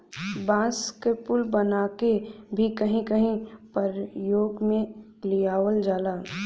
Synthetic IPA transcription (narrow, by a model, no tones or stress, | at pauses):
bãːskepʊlbɐnaːkebʱikɐɦĩkɐɦĩpɐɾjoːɡmẽ | lijaːwəld͡ʒaːlaː